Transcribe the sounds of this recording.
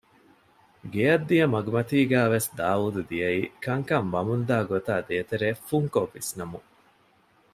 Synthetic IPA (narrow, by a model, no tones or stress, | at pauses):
ɡeɐd̪ːijɐmɐɡumɐt̪iːɡæːʋesd̪aːuːd̪ud̪ijɐiːkɐŋkɐmʋɐmund̪aːɡot̪aːd̪eːt̪eɾeːfuŋkoʋːisnɐmu